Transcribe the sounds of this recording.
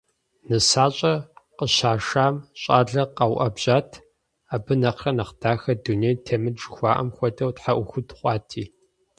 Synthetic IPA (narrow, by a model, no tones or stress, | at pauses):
nɨsaːɕʼɐqəɕaːʂaːmɕʼa̰ːɮɐqɐwʔɐbʑaːtʰ | aːbɨnɐqʰɐnɐqd̥aːxɐdunejtʰemɨd͡ʒxʷɑːʔɐ̰mxʷɔdɐwtħaʔʷʊxʷʊtχʷʼɑːtʰiː